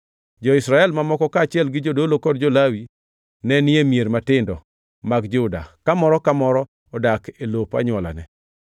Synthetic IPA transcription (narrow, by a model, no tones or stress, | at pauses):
d͡ʒɔɪsɾaɛlmamɔkɔkat͡ʃɪɛlɡɪd͡ʒodolokɔd̚d͡ʒolawi | nɛnɪemieɾmatɪndɔ | maɡd͡ʒʊda̰kamɔɾɔkamɔɾɔ | ɔdakelopa̰ɲwɔla̰nɛ